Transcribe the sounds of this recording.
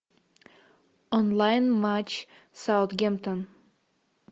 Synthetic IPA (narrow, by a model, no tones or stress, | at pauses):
ɔ̃nlajnmat͡ʃ | sawθɡɛ̃mt̪ə̃n